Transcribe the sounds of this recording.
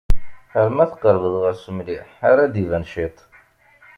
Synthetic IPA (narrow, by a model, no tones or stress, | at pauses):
əɾmæθə̥qəɾˤvəðˤʁəɾsəmliħaɾæd̪ivænʃit̪ˤ